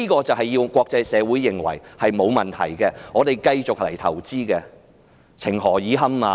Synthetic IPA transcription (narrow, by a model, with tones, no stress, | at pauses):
iː˥kɔː˧t͡sɐ˨wɦɐ˨jːiː˧wkʷɔː˧k̚t͡sɐ˧jsɛː˨˧wu˨˥jːɪ˨ŋwɐ̰˨˩jhɐ˨jmo˨˧wmɐ˨nt̪ʰɐ̰˨˩jkɛ˧ŋɔː˨˧t̪e˨˩jkɐ˧jt͡sʊ˨k̚lɐ˨˩jt̪ʰɐ̰˨˩wt͡siː˥kɛː˧ | t͡sʰɪ˨˩ŋɦɔː˨˩jiː˨˥ɦɐ˥maː˧